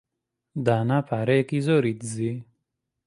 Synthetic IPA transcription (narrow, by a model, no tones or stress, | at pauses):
d̪aːnapaɾekizoːɾit̪zi